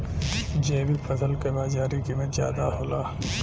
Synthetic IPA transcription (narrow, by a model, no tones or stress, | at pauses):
d͡ʒeːbipʰɐsəlkebaːzaːɾikimẽzja̰ːd̪aɦoːlaː